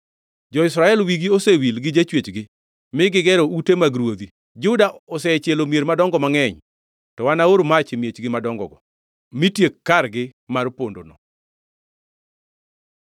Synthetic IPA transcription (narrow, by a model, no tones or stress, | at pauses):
d͡ʒɔɪsɾaɛlwiɡiosewilɡɪd͡ʒet͡ʃwet͡ʃɡɪ | mɪɡɪɡɛɾoutemaɡɾwod̪i | d͡ʒʊdaɔsɛt͡ʃjelomjeɾmadɔŋɡɔmaŋɛɲ | tɔwanaoɾmat͡ʃɪmjet͡ʃɡɪmadɔŋɡɔ̰ɡɔ | mitjekːaɾɡɪmarpondonɔ